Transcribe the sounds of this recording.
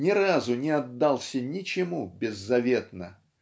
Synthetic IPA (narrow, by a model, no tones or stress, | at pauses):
nʲɪɾazʊnʲɪɐd̪ːalˠsʲənʲɪt͡ɕɪmubʲɪzːɐvʲe̞t̪nə